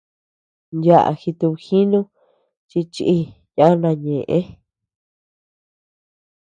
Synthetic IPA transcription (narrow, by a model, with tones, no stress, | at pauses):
ndja˦˨ʔa̰˧˨xi˧t̪u˧βxi˦nũ˦ | t͡ʃi˧t͡ʃi˧ʔi˧ | ja˦nã˧ɲẽ˨ʔẽ˦